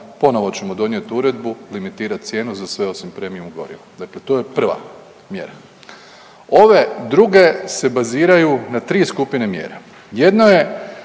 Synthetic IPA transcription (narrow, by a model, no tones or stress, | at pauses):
po̞no̞ʋo̞t͡ɕe̞mo̞d̪o̞nje̞t̪uɾe̞d̪bulimit̪iːɾat̪̚t̪sʲje̞ːnuzasʋe̞o̞simpɾe̞ːmijumuɡo̞̰ɾḭʋod̪akle̞t̪o̞ːje̞pr̩ʋa̰ | mje̞̰ɾa | o̞ʋe̞d̪ɾuɡe̞se̞baziːɾajunat̪ɾiːskupinemjḛːɾa̰ | je̞d̪noje̞